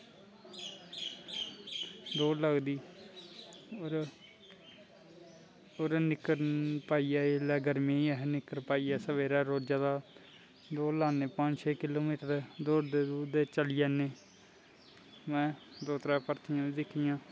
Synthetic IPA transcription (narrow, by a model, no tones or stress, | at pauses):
d̪oːləɡd̪iː | oɾ | oɾnɪkːəɾpaːiːaːelɛːɡəɾmẽːɛɦnɪkːəɾpaːiːɛːsəʋeːɾaːɾoːd͡ʒaːd̪aː | d̪oːlaːneːpəɲd͡ʒt͡ʃʰeːkɪloːmiːʈəɾd̪oːɽd̪eːd̪uːd̪et͡ʃəlɪjɛːneː | mɛ̃ːd̪oːt̪ɾɛːpəɾt̪ʰɪjãːd̪iːd̪ɪkʰːijãː